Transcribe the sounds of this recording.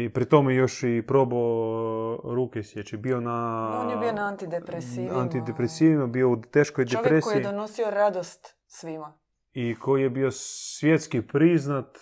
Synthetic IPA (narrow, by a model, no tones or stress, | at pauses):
ipɾit̪o̞mejo̞ʃipɾobo | ɾuːkesjet͡ʃɛbionaonjebionaant̪id̪epɾesiant̪id̪epɾesiːʋimabiout̪eːʃkojd̪eojpɾeskojijid̪onosioɾad̪ost̪ | sʋima | iko̞jijebiosʋjet̪skipɾiznat̪